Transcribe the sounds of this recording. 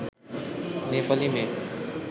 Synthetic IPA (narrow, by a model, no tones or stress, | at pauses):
neːpəlimẽ